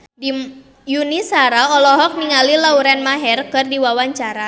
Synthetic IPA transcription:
di | junisaɾaɔlɔɦɔk̚niŋalilauɾɛnmaɦɛrkɨrdiwawaɲt͡ʃaɾa

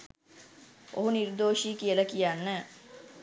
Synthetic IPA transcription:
o̰ɦuniɾd̪oːʃiːkijələkijanːæː

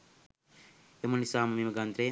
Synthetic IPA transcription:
jɐmɐnisaːmɐmimɐɡɐnt̪ɾeː

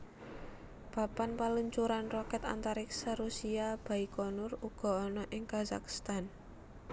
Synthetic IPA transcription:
b̥a̤panpaluɲt͡ʃuɾanrɔkɛt̪a̰nt̪aɾɪksaɾusiab̥a̤ikɔnʊruɡ̥ɔ̤ːnɔʔɪŋkaza̰kst̪an

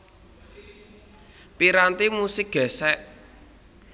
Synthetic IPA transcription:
piɾant̪imusɪk̚ɡ̥ɛ̤sɛʔ

